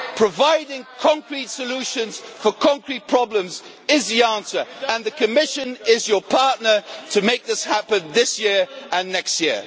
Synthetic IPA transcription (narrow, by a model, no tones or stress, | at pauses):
pʰɹ̥əvaɪdɪ̃ŋkʰɒ̃ŋkɹitsəlʉˑʃə̃nz̥fə˞kʰɒ̃ŋkɹit̚pʰɹ̥ɒblə̃mz | ɪzðiɑ̃ˑnsə˞ə̃nðəkʰəmɪʃə̃nɪzjəpʰɑɹtⁿnə˞tʰəmeɪk̚ðɪshapə̃nðɪsjɪɹʔə̃nːɛkstjɪə